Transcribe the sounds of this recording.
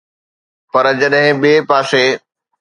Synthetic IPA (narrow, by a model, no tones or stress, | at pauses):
pɐɾd͡ʑɐɗɦɪ̃ɓiepaːse